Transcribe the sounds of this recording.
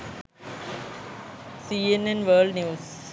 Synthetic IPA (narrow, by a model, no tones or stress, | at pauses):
siːenẽnʋəːɭɖnjuːs